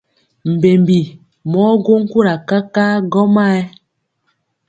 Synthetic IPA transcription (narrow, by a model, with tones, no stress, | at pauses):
m̩˨be˨mbi˨ | mɔ˦ɡo˦ŋ̩˦ku˦ɾa˨ka˦ka˦ɡɔ˦ma˦ɛ˦